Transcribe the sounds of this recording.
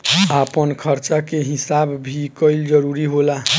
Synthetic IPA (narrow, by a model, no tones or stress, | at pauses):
apənkʰəɾt͡ʃakeɦisabbʱikəɪld͡ʒəɾuɾiɦola